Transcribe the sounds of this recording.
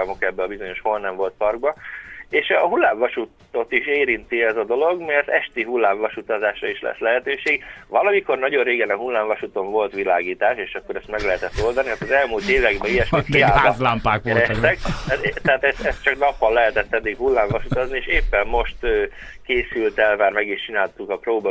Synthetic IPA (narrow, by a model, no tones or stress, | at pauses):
ɒmo̞kɛbːɛɒbizo̞ɲo̞ʃho̞lnɛɱvo̞lt̪̚pɒrɡ̚bɒeːʃɒɦulːaːɱvɒʃut̪ | o̞t̪iʃeːɾint̪iɛzɒd̪o̞lo̞ɡmɛrt̪ɛʃt̪iɦulːaːɱvɒʃut̪ɒzaːʃrɒiʃlɛ̰slɛɦɛt̪øːʃeːɡvɒlɒmiko̞rnɒɟo̞rreːɡɛnɒɦulːaːɱvɒʃut̪o̞ɱvo̞lt̪ʋilaːɡiːt̪aːʃeːʃɒkːo̞ɾɛst̪mɛɡlɛɦɛt̪ɛt̪ːo̞ld̪ɒniɦat̪ɒzɛlmult̪eːvɛɡbɛijɛʃmik̪iaːlabɒzlaːmpaːkʋɛɾɛt̪ɛkmɛtt̪ɛaːt̪ɛsɛst̪t͡ʃɒknɒpːɒlːɛɦɛt̪ɛt̪ːɛd̪ːikhulːaːɱvɒʃut̪ɒznieːʃeːpːɛmːo̞ʃt̪øːkeːsylt̪ɛlmaːrmɛɡiʃt͡ʃinaːlt̪ukɒproːbɒ